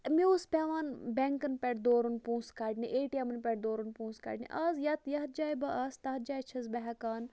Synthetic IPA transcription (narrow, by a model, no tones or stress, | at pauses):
miuspʲaːʋaːnbʲɛŋkɐnpʲɛʈd̪oːɾunpũːskaːʈniʔeːʈjɐmɐnpʲɛʈ̚d̪oːɾunpũːska̰ʈnḭʔɐːzjɐt̪jɐɦt̪̚d͡ʒaːjbɐɐst̪ɐɦt̪̚d͡ʒaːjt͡ʃʰɐzbɐɦɐkaːn